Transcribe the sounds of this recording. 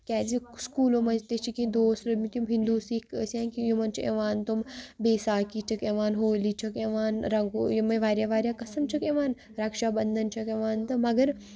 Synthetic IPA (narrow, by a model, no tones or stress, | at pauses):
kʲɛːziskuːlõmɐzt̪et͡ʃʰikĩd̪oːsɾɐmit̪jumɦind̪uːsikəsãːkijumɐnt͡ʃʰiḛʋaːnt̪umbeːsaːkit͡ʃʰɐkeːʋaːnɦoːliːt͡ʃʰɐkeʋaːnɾɐŋɡojmɐʋaːɾjaːʋaːɾʲjaːkɐsɐmt͡ʃʰɐkeːʋaːn | ɾaːkʃaːbɐnd̪ʱɐnt͡ʃʰɐkeːʋaːnt̪ɐmɐɡɐɾ